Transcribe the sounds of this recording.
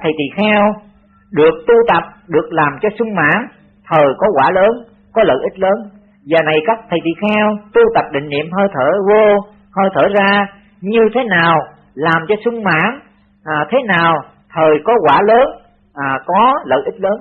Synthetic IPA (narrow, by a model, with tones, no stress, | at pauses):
t̪ʰə˨˩jt̪ḭ˧˨xɛ˧w | ɗɨ˨˩ək̚t̪u˧t̪ə˨˩p̚ɗɨ˨˩ək̚laː˨˩mt͡ɕɔ˧sʊ˧ŋ͡mma̰ː˧˥ŋ | t̪ʰəː˨˩jkɔ˨˦kwaː˧˩ləː˨˦n | kɔ˨˦lə̰ː˧˨ʔï˦˥t̟̚ləː˨˦n | vaː˨˩na˨˩jkaː˦˥k̚t̪ʰə˨˩jt̪ḭ˧˨xɛ˧wt̪u˧t̪ə˨˩p̚ɗḭ̈˧˨ŋ̟nḭ˧˨əmɦəː˧jt̪ʰəː˧˩vo˧ | həː˧jt̪ʰəː˧˩zaː˧ | ɲɨ˧t̪ʰe˨˦naː˨˩w | laː˨˩mt͡ɕɔ˧sʊ˧ŋ͡mma̰ː˧˥nː˨˩ | t̪ʰe˨˦naː˨˩w | t̪ʰəː˨˩jkɔ˨˦kwaː˧˩ləː˨˦n | ʔkɔ˨˦lə̰ː˧˨ʔi˦˥t̚ləː˨˦n